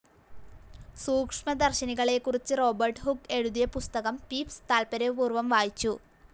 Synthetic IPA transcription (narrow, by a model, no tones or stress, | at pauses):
suːkʂmɐd̪ɐrɕɐniɣɐɭekːurit͡ɕːɨro̞ːbɐrʈɦukːe̞ɻuðijɐpust̪ɐɣɐmpiːpst̪aːlpɐɾɐʋuːrʋɐmʋaːjit͡ɕːu